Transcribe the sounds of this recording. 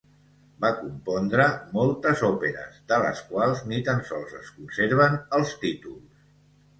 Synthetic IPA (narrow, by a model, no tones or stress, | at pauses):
bakumpɔnd̪ɾəmɔlˠt̪əzɔpeɾə̰zd̪ələ̰skwalˠznit̪ansɔlˠzəskunseɾβ̞ənəlˠst̪it̪ulˠs